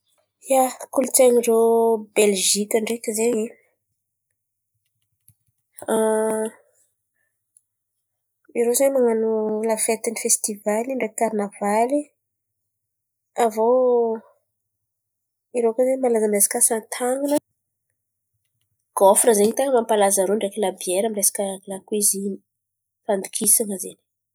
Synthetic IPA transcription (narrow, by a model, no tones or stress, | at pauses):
jakulut͡seɲirobelʒikʲaɳɖ͡ʐekizeɲe | a | iɾozeɲmaŋanulafet̪inifest̪ivaliɳɖ͡ʐekarnavali | avo | iɾekazemalazəmirezḁkʲasant̪ʰaŋanə | ɡ̥ofrəzeɲit̪aŋəmampalazəɾoɳɖ͡ʐekilabieɾəmiresḁkəlakwizini̥ | fand̪ukʰisaŋəzeni̥